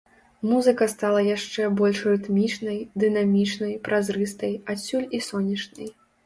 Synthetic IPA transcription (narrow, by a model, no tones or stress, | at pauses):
muzɨkɐst̪alˠɐjaʂt͡ʂɛbɔlʲʂrɨt̪mʲit͡ʂnɐjd̪ɨnamʲit͡ʂnɐjpɾʔazrɨst̪ɐjasʲːulʲisɔnʲɐt͡ʂnɐj